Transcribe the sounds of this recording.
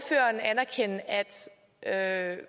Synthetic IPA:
fø̰ːɐnænæɐkʰen̰əæd̥ | ʔø

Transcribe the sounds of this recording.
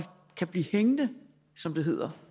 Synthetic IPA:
kʰæb̥liːheŋnə | sɒ̽md̥e̝ɦe̝ð̞̰ˠɐ

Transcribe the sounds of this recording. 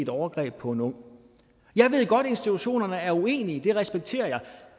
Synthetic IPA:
e̝d̥ɒʊɐɡ̥ʁɛ̰ːb̥̚pʰɒ̽e̝nɔ̽ŋ̰ | jɑ̈ɪʋe̝ð̞̰ˠɡ̥ɒ̽d̥e̝nsd̥it͡sʰuɕo̝̰ːnɐnəæɐue̝̰ːniəd̥e̝ʁɛsb̥eɡ̥̚t͡sʰe̝̰ːɐjɑ̈ɪ

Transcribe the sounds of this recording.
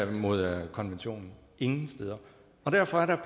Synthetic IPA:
mo̝ð̞̰ˠkʰɒ̽nʋenɕo̝̰ːnn̩ | e̝ŋn̩sd̥eːð̞ˠɐ | ɒ̽d̥æɐ̰fɒ̽æɐɾ̥ɑpʰ

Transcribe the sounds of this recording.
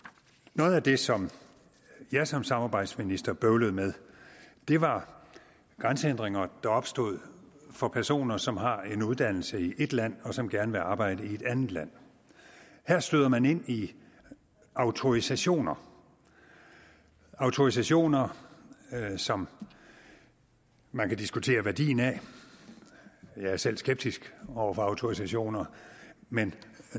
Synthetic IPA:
noːð̞̩ˠæd̥e̝sɒ̽m | jɑ̈ɪsɒ̽msɑ̈mɑ̈ːb̥ɑ̈ɪ̰d̥sminisd̥ɐb̥øʊləð̩ˠmeð̞ˠd̥e̝ʋɑ̈ | ɡ̥ʁɑnsəend̥ʁeŋɐd̥ɑ̈ɒ̽b̥sd̥o̝ð̞̰ˠ | fɒ̽pʰæɐso̝̰ːnɐsɒ̽mɦɑ̈e̝nuð̞ˠd̥æn̰l̩səiʔe̝d̥læn̰ɒ̽sɒ̽mɡ̥æɐnəʋe̝ɑ̈ːb̥ɑ̈ɪ̰d̥əie̝d̥ænð̩ˠlæn̰ | heɐ̰sd̥øðˠɐmæne̝n̰i | ɑ̈ʊt͡sʰo̝ʁisæɕo̝̰ːnɐ | ɑ̈ʊt͡sʰo̝is̬æɕo̝̰ːnɐ | sɒ̽m | mænkʰæd̥isɡ̥ut͡sʰe̝̰ːɐʋæɐd̥ḭːn̩æ | jɑ̈ɪæɐsel̰sɡ̥eb̥̚d̥isɡ̥ɒʊ̰ɐfɒɑ̈ʊt͡sʰo̝ʁisæɕo̝̰ːnɐmen

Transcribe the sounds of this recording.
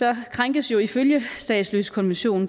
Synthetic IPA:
ɒ̽kʰʁaŋɡ̥əsjo̝iføljəsd̥ɛ̰ːɪ̥sløːskʰɒ̽nʋenɕo̝̰ːn̩

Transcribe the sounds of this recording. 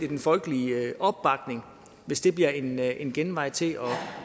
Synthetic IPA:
id̥enfɒ̽lɡ̥əliʔɒ̽b̥ːɑ̈ɡ̥ne̝ŋ | ʋe̝sd̥e̝b̥liɐe̝nenɡ̥enʋɑ̈ɪ̰t͡sʰe̝lɒ̽

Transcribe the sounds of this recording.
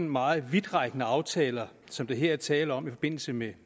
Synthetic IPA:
nmɑ̈ːð̩ˠʋid̥ʁɑ̈ɡ̥nəɑ̈ʊt͡sʰɛːlɐsɒ̽md̥eɦe̝ɐ̰æɐt͡sʰɛːləɒ̽mifɒ̽b̥e̝n̰l̩səme

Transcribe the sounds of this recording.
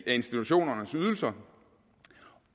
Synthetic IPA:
æe̝nsd̥it͡sʰuɕo̝̰ːnɐnəsyð̞ˠl̩sɐ

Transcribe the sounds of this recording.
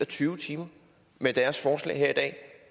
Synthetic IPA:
ɒt͡sʰyːʊt͡sʰiːmɐ | med̥æɐsfɒːslɛ̰ɪɦeɐ̰id̥ɛ̰ː

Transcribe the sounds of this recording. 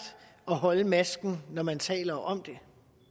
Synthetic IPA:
d̥ | ɒ̽ɦɒ̽ləmæsɡ̥n̩nɒmænt͡sʰɛ̰ːlɐʔɒ̽md̥e̝

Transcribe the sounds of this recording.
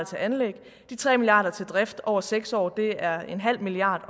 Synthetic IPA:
t͡sʰe̝ʔænleɡ̥ | d̥it͡sʰʁɛ̰ːmiliɑ̈ːd̥ɐt͡sʰe̝ld̥ʁɛfd̥ɒʊ̰ɐseɡ̥sɒ̰ːd̥e̝æɐe̝nɦæl̰miliɑ̰̈ːd̥

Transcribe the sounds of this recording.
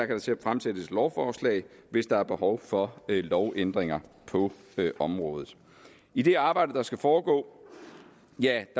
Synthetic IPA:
ɑ̈kʰæɾɑ̈t͡sʰe̝fʁamsed̥əslɒʊfɒːslɛ̰ɪʋe̝sd̥ɑ̈æɐb̥e̝hɒʊfɒ̽lɒʊʔend̥ʁeŋɐpʰɒ̽ | øʔɒ̽mʁɔ̽ːð̞ð̩ˠ | id̥e̝ɑ̈ːb̥ɑ̈ɪ̰d̥əd̥ɑ̈sɡ̥æfɒːɡ̥ɔ̰̽ː | jæd̥

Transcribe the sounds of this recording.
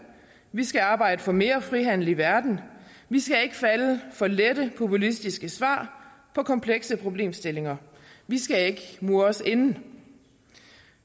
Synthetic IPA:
ʋisɡ̥æɑ̈ːb̥ɑ̈ɪ̰d̥əfɒ̽me̝ːɐfʁiɦæn̰l̩iʋæɐd̥n̩ | ʋisɡ̥æe̝ɡ̥əfæləfɒ̽leɾəpʰo̝pʰulisd̥isɡ̥əsʋɑ̰̈ːpʰɒ̽kʰɒ̽mpʰleɡ̥səpʰʁo̝b̥le̝̰ːmsd̥e̝le̝ŋɐ | ʋisɡ̥æe̝ɡ̥əmuːse̝nn̩

